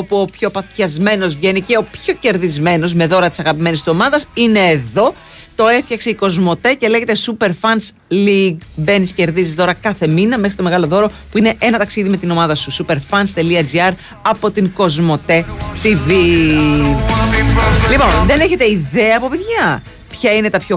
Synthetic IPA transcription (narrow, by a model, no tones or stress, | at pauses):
opuopço̞pɐt̪çɐzme̞no̞zvʝe̞nice̞o̞pço̞ce̞ɾðizme̞no̞zme̞ðo̞ɾɐt̪isɐɣɐpime̞nist̪uo̞mɐðɐsine̞ːðo̞ | t̪o̞e̞fθçɐkseiko̞zmo̞t̪e̞ce̞leʝe̞t̪e̞supe̞ɾfɐns | liɡbe̞nisce̞ɾðizizðo̞ɾɐkɐθe̞minɐmexɾit̪o̞me̞ɣɐlo̞ðo̞ɾo̞puine̞ʔe̞nɐt̪ɐksiðime̞t̪ino̞mɐðɐsusupe̞ɾfɐnst̪e̞liɐd͡ziɐɾ | ɐpo̞t̪iŋko̞zmo̞t̪e̞t̪ivi | lipo̞nðe̞ne̞çe̞t̪e̞iðeɐːpo̞peðʝɐ | pçɐine̞t̪ɐpço